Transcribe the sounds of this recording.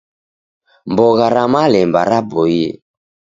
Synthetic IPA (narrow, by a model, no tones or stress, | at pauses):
mbɔɣaɾamalɛmbaɾabɔjɛ̰